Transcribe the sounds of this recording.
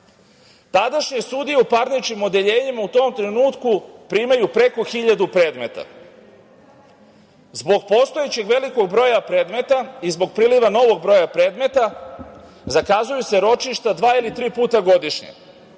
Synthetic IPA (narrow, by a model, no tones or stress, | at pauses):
t̪ad̪aʃɲesud̪ijeupaɾnit͡ʃkimo̞d̪e̞ʎe̞ːɲimaut̪o̞ːmt̪ɾe̞nuːt̪kupɾiːmajupɾe̞ko̞xiʎad̪upɾeːd̪me̞t̪a̰ | zbo̞ɡ̚po̞ːst̪ojet͡ɕe̞ɡʋe̞liko̞ɡ̚bɾo̞ːjapɾe̞ːd̪me̞t̪aizbo̞ɡ̚pɾiːliʋano̞ʋo̞ɡ̚bɾo̞japɾe̞ːd̪me̞t̪a | zakazujuse̞ɾo̞t͡ʃiʃt̪ad̪ʋaːilit̪ɾiːpuːt̪aɡo̞d̪iʃɲḛ